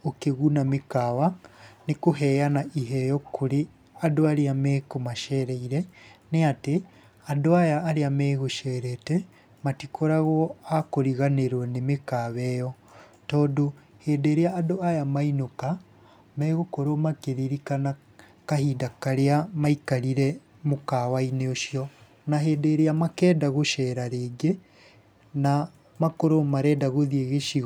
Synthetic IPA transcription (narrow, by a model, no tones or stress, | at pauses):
okeɣunamekaβanekoɦɛjanaʔiɦɛjɔkʰoɾe | adoaɾeameːkomaʃɛɾɛiɾɛneate | adoajaːɾeamɛɣoʃɛɾɛte | matikʰoɾaɣɔakoɾiɣaneɾwanemekaβɛjɔ | tɔːdohedeɾeaːdoajamainoka | mɛɣokoɾomakeɾiɾikana | kahidakaɾeamaikaɾiɾɛ | mokawaineoʃiɔ | naɦeːdeɾeamakɛːdaɣoʃɛɾaɾeːɡe | na | makoɾomaɾɛːdaɣoðieɣeʃiɣ